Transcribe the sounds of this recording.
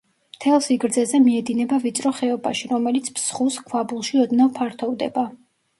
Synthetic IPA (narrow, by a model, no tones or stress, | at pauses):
mt̪ʰɛlˠsiɡɾd̪zɛzɛmiɛd̪inɛbavit̪sʼɾɔχɛɔba̰ʃiɾɔmɛlit̪sʰpsχuskʰwabulˠʃiɔd̪navpʰaɾt̪ʰɔvd̪ɛ̰ba